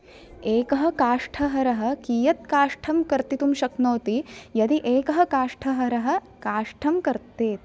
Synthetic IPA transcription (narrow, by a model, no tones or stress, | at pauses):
eːkɐɦɐ̆kaːʂʈʰɐɦɐɾɐɦɐ̆kiːjɐt̪kaːʂʈʰɐmkɐɾt̪it̪umʃɐknoːt̪ijɐd̪iʔeːkɐɦɐkaːʂʈʰɐɦɐɾɐɦɐ̆ | kaːʂʈʰɐmkɐɾt̪eːt̪̚